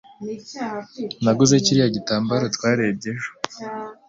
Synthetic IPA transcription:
naɡuzeciɾijaɟitaːmbaɾotwaːɾeb̚ɟeʒo̥

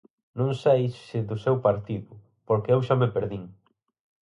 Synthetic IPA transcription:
nõŋsejsɪðʊsewpaɾt̪iðʊ | poɾkɪewʃamepeɾðiŋ

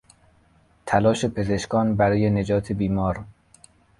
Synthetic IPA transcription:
t̪ʰælɒːʃe̞pʰe̞zeʃkʰɒːnbæɾɒːje̞ne̞d͡ʒɒːt̪ʰebiːmɒːɾ

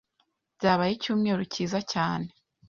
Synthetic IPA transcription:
ɟaːβajicuːmŋeːɾuciːzacaːne

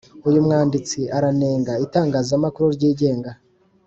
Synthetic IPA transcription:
ujumŋaːndit͡siʔaɾaneːŋɡaitaːŋɡaːzamakuɾuɾɟiːɟe̞ːŋɡa

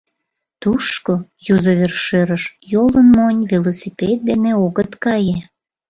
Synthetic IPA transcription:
t̪uʃkojuzoβʲerʃeɾəʃjolənmonʲvʲelosʲipʲet̪̚d̪eneoɣət̪kɑje

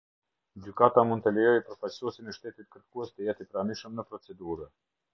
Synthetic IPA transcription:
d͡ʑykat̪amund̪t̪əlɛjɔjpəɾfajsuɛsinɛʃt̪ɛt̪it̪̚kəɾkuɛst̪əjɛt̪ipɾaniʃəmnəpɾɔt͡sɛd̪uɾə

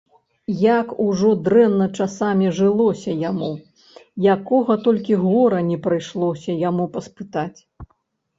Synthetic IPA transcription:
jakuʐɔd̪ɾɛnːɐt͡ʂasamʲiʐɨlˠɔsʲɐjamu | jakɔɣɐt̪ɔlʲkʲiɣɔɾɐnʲɛpɾɨjʂlˠɔsʲɐjamupɐspɨt̪at͡sʲ

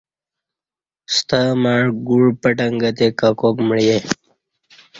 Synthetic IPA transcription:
st̪amaɻɡuɽpəʈəŋɡət̪ekakokməɭje

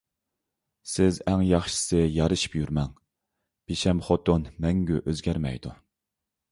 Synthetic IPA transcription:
sɪzæŋjɑχʃɨ̥sɨjɑɾɨʃi̥pjyɾmɛŋ | b̥eʃɛmχot̪onmɛŋɡʲyʔøzɡʲæɾmɛ̰jd̪u

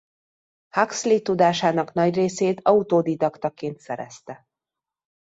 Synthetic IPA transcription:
hakslit̪ud̪aːʃaːnɒknɒɟreːseːt̪ɒut̪oːd̪id̪ɒkt̪ɒkeːnt̪sɛɾɛ̰st̪ɛ

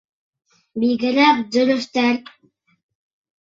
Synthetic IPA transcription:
biɡɘ̆ɾæp̚d̪ɵ̆ɾɵ̆ʃt̪æɾ

